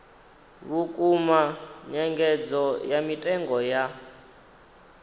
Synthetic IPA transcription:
βukʼumaɲɛŋɡɛd͡zɔjamitʼɛŋɡɔja

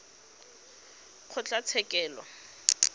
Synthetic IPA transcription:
q͡χʰʊt͡ɬʼat͡sʰɛkʼɛːlɔ̰

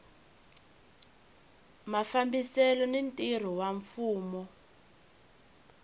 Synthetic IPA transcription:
mafambisɛlɔnintir̤ɔwaɱfuːmɔ

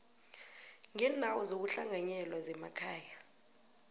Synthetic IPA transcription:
ŋɛndʱawɔzok̬uɬaŋaɲɛlwazɛma̰kʰaːja

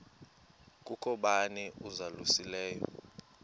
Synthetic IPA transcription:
kʼukʰɔɓanɛuzalusilɛːjɔ̰

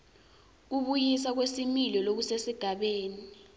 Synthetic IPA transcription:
k̬uɓujis̬ak̬wesimilɔlok̬usesiɡ̥ʱaɓeːni

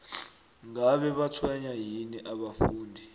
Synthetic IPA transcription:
ŋaɓɛɓat͡sʰwɛɲajinɛʔaɓafuːndʱi

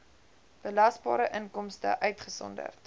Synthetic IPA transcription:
b̥əlɐsbɑːɾəʔənkɔmstə̰ʔœɥtχəsɔ̰ndə̰rt

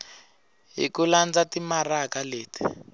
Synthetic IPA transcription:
ɦḭkuland͡zatimarakaleːti̥

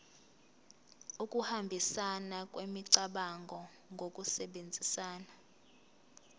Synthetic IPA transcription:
ukʼuhambʱisanak̬ʼwemiǀaɓaŋɡʱɔ | ŋɡʱokʼusɛɓend͡zʱisaːna

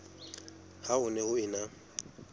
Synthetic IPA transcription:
haʊnɛhʊɪna

